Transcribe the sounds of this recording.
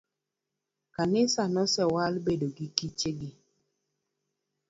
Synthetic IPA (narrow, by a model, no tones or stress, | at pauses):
kanɪsanɔsɛwalbedoɡikit͡ʃeɡi